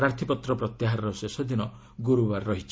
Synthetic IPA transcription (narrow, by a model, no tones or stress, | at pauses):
ɾaɾt̪ʰipɔt̪ɾɔpɾɔt̪jaɦaɾɔɾɔsesɔd̪inɔ | ɡuɾubaɾːɔɦit͡ʃʰi